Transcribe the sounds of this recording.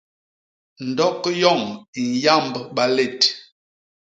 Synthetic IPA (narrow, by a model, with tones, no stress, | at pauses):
n̩˨dɔ˦kjɔ˦˨ŋi˨n˨ja˦˨mbɓa˨le˦˨t